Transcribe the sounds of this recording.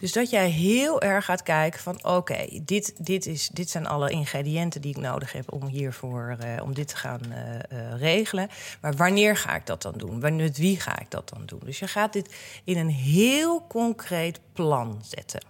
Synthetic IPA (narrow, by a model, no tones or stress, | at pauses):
d̥ɵzdɑtjɛjɦɪːlˠʔɛɹχaːtkɛjkəvɑnowkḛjdɪtdɪtɪsdɪtsɛjnʔɑ̰ləʔɪnχrediɛntəndiɪkno̰wdəχɦɛ̰pɔ̰mɦiːɹvʊːɹɔ̰mdɪtʰə̥χa̰ːn | rejχələnmaːɹʋanɪːɹχa̰ːɪ̰ɡ̚dɑt̚dɑ̰ndunʋanɛtʋiχa̰ːɪ̰ɡ̚dɑ̰t̚d̥ɑndṵndøsjəχaːt̚dɪtɪnənɦɪːlˠkɔŋkrejtplɑnz̥ɛ̰tʰə̰n